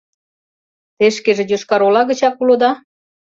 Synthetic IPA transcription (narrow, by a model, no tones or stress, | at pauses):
t̪eʃkeʒĕjoʃkɑɾolɑɣə̆t͡ɕɑkulod̪ɑ